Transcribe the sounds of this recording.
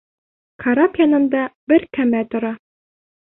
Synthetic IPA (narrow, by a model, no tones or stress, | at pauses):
kʰɐɾapʲjɑnɤ̆nd̪ɑbɘɾkæmæt̪ŏɾɑ